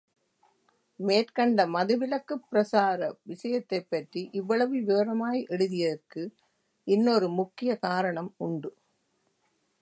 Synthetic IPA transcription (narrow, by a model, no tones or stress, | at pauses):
meːrkɐɳɖɐmɐðɯʋɪlɐkːɯpːɾɐsaːɾɐʋɪʂɐjɐt̪ːɐɪpːɐʈriʔɪʋːɐɭɐʋɯʋeːɾɐmaːjʔɛɽɯðɪjɐðɐrkɯ | ɪnːoɾɯmʊkːɪjɐkaːɾɐɳɐmʊɳɖɯ